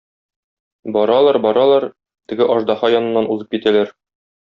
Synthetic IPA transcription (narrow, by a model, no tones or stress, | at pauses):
bɒɾɑlˠɑɾbɒɾɑlˠɑɾ | t̪ɘ̆ɡɘʔɒʒd̪ɑhɑjɒnɤ̆nːɑnuzɤp̚kit̪ælæɾ